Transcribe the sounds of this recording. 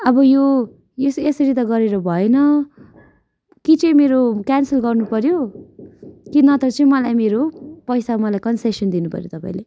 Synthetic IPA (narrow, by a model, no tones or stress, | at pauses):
ʌbʌjo | esesʌɾit̪ʌɡʌɾeɾʌbʱʌenʌ | kit͡sʌĩmeɾokansʌlɡʌrnupʌɾjo | kinʌt̪ʌt͡sʌĩmʌlajmeɾopʌjsamʌlajkʌnsesʌnd̪inupʌ̰ɾjo̰t̪ʌpa̰ĩle